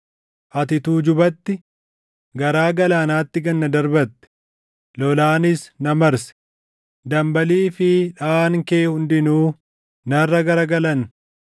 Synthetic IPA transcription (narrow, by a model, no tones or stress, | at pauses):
ʔɐt̪ɪt̪uːd͡ʒʊbɐt̪ːɪ | ɡɐɾaːɡɐlaːnaːt̪ːɪɡɐnːɐd̪ɐɾbɐt̪ːɛ̥ | lɔlaːnɪsnɐmɐɾsɛ̥ | d̪ɐmbɐliːfɪᶑaːŋkeːhʊnd̪ɪnuː | nɐrːɐɡɐɾɐɡɐlɐn